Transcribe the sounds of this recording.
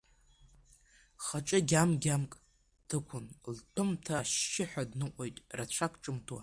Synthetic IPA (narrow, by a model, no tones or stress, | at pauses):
χaʈ͡ʂʼɨɡʲamɡʲamkʼ | tʰɨkʷʰʊnltʰɨmtʰaʃːɪħʷᶣadnɨqʷʼojtʼrat͡ɕʷʰakʷʰʼʈ͡ʂʼɨmtʰwa̰